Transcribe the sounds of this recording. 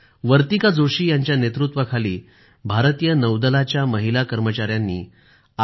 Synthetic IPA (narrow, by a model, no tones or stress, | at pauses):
ʋəɾt̪ikad͡zoʂiːjaɲt͡ɕjanet̪ɾut̪ʋəkʰaliː | bʱaɾt̪ijənəwd̪əlat͡ɕjaməɦilakəɾmət͡ɕaɾjanːḭː | a